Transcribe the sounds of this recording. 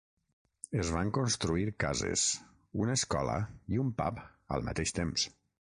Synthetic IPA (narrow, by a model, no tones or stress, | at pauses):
əzβaŋkonst̪ɾuiɾkazḛs | unəːskɔlə̰iumpa̰pə̰lˠma̰t̪eʃt̪ems